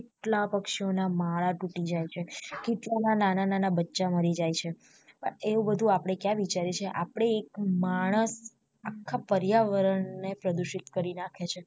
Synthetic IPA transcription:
keʈlapəkʃionamaɭaʈuʈid͡ʒajt͡ʃʰekeʈlanananananabətːʃaməɾid͡ʒajt͡ʃʰe | pə̰ɳeubəd̪ʱũapɽ̃ekjãʋit͡ʃaɾet͡ʃʰeʔapɽ̃eːkmaɽ̃əs | akʰːapəɾjaʋəɾəɳːepɾəd̪uʃit̪kəɾinakʰet͡ʃʰe

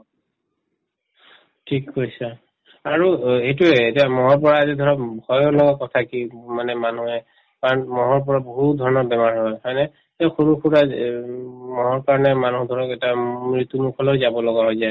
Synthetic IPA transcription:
tʰikːojsa | aɹuejtuɛetiamɔɦɔɹp̬ɔɹaːzidʱɔɹɔpbʱɔjɔlɔɡakɔtʰakimanɛmanuɦɛ | kaɹɔnmɔɦɔɹp̬ɔɹaboɦut̚dʱɔɹɔnɔɹbɛmaɹɦɔjkʰajnɛ | taxuɹukʰuta | mɔɦɔɹkaɹɔnɛmanudʱɔɹɔkɛtamɹit̪umukʰɔlojzabɔlɔɡaɦɔjzaj

